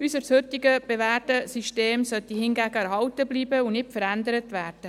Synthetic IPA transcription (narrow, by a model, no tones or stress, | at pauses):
ysəɾshøtiɡəb̥eʋæːdəsyʃteːmsœt̪ihɪnɡæːɡəɛɾɦɑwtəbliːbəunɪtfəɾænd̪əɾət̪ʋæːrd̥ə